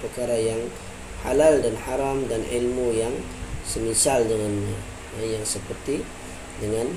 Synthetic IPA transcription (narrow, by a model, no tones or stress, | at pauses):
pərkaɾajaŋ | ha̰laldanħaɾamdanʔḭlmujaŋ | səmisaldəŋanɲa | jaŋsəpərt̪i | dəŋan